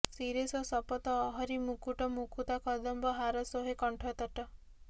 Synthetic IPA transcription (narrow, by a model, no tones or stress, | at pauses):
siɾesɔsɔpɔt̪ɔːɦɔɾimukuʈɔmukut̪akʰɔd̪ɔmbɔɦaɾɔsoɦekɔɳʈʰɔt̪ɔʈɔ